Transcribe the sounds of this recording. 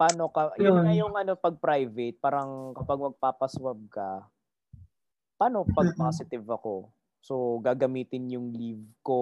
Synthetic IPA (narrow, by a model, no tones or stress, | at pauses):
paːnokɐjʊnɐjʊŋɐno̞pɐɡ̚pɾajvɛt̪̚paːɾɐŋkɐpɐɡ̚mɐɡ̚paːpɐswɐb̚kɐ | paːno̞pɐɡ̚paːsɪt̪ɪvɐko̞ | soɡaːɡɐmiːt̪ɪnjʊŋlivko̞